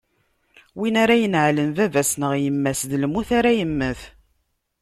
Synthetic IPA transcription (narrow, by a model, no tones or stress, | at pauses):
winaɾajənʕlənvævæsnəʁjəmːæsðlmuθaɾæjəmːəθ